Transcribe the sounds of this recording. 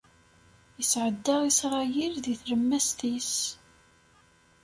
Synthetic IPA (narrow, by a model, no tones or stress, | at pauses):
jəsʕəd̪ːəʁisɾˤɑjiɾðiθɾəmːæst̪is